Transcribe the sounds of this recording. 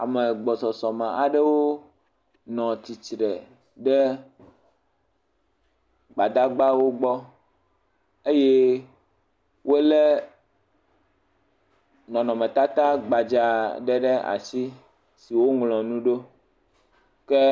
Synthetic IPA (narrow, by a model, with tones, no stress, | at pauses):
a̰˨mɛ˨ɡ͡bɔ˨sɔ˨sɔ˨mɛ̃˨ʔa˨ɖɛ˦wo˦ | nɔ̃˨t̪i˨t͡ʃɾɛ˨ | ɖɛ˦ | ɡ͡ba˨d̪a˦ɡ͡ba˦wo˦ɡ͡bɔ˦ | e˦je˦ | wo˦lɛ˦ | nɔ̃˨nɔ̃˨mɛ̃˨t̪a˦t̪a˦ɡ͡ba˨d͡ʒa˨ɖɛ˦ɖɛ˦ʔa̰˨si˦ | si˨wo˦ŋlɔ̃˨nũ˦ɖo˦ | kɛ˦